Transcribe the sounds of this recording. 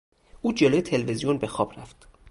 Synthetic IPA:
ʔuːd͡ʒeloje̞t̪ʰe̞lvezijonbe̞xɒːb̥ræft̪

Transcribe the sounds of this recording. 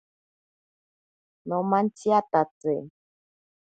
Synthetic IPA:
nɔ̃mãn̩tiatat͡se

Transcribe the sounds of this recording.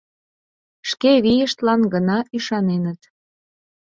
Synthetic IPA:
ʃkeβijəʃt̪lɑnɡənɑyʃɑnenət̪

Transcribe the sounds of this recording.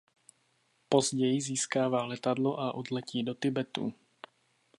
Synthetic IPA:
po̞zɟɛjɪziːskaːvaːlɛt̪adlo̞ʔaʔodlɛciːdo̞t̪ɪbɛt̪ṵ

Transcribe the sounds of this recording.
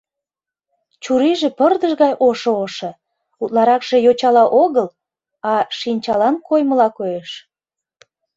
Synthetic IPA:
t͡ɕuɾiʒĕpərd̪əʃɣɑjʔoʃooʃɤ̆ | ut̪lɑɾɑkʒ̥e̽jot͡ɕɑlɑʔoɣəl | ɑʃinʲt͡ɕɑlɑnkojməlɑkojeʃ

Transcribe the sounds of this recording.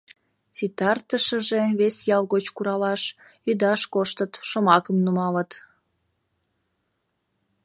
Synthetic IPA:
t͡sit̪ɑrt̪əʃəʒe̽βesjɑlɣot͡ɕkuɾɑlɑʃ | yd̪ɑʃkoʃt̪ət̪ʃomɑkəmnumɑlət̪

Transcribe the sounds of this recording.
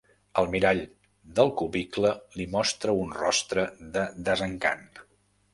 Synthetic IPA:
əlˠmiɾaʎ | d̪əlˠkuβikləlimɔst̪ɾəunrɔst̪ɾəðəðəzəŋka̰n

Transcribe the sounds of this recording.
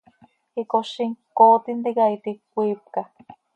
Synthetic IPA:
hikoʃiŋkoːt̪ind̪iɡait̪ikʷip̚ka

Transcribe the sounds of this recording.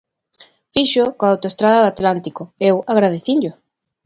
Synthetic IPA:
fiʃʊkõaawt̪oest̪ɾaðɐðoat̪lant̪ikoewaɣɾað̞eθiɲʎʊ

